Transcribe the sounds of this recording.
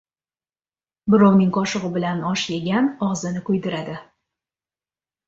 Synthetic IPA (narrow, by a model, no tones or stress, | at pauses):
bɪɾɒwnɪŋqʰɒʃɨʁɨbɪlanɒʃjeɡʲanɒʁzɪnɪkʰɵjd̪ɪɾad̪ɪ